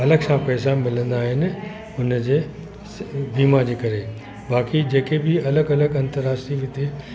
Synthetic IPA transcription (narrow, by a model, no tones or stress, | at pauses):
ɐləɡsãpɛːsãmɪlə̃nd̪aːɦɪnɪ̆ | ʊnəd͡ʑeː | biːmad͡ʑeːkɐɾe | baːkid͡ʑeːkebʱɪɐləɡɐləɡɐ̃nt̪əɾaːsiʋɪt̪e